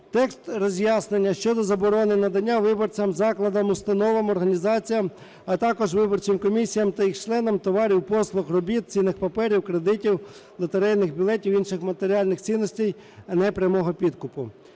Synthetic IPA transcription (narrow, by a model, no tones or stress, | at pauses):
t̪ɛkst̪rɔzʲjɑsnenʲːɐʃt͡ʃɔd̪ɔzɐbɔɾɔnɪnɐd̪ɐnʲːaʋɪbɔrt͡sʲɐmzɑklˠɐd̪ɐmʊst̪ɐnɔʋɪmɔrɦɐnʲizɑt͡sʲijɐm | ɐt̪ɑkɔʒʋɪbɔrt͡ʃʲɪmkɔmʲisʲijɐmt̪ɐjixt͡ʃlˠɛn̪ɔmt̪ɔʋɑɾʲiwpɔslˠʊxrɔbʲit̪̚t͡sʲinɪxpɐpɛɾʲiwkɾed̪ɪtʲiw | lˠɔt̪eɾɛjnɪxbʲilˠɛtʲiwinʃɪxmɐt̪eɾʲiɑlʲnɪxt͡sʲinːɔsʲtʲij | ɐnɛpɾʲjɐmɔɦɔpʲid̪kʊpʊ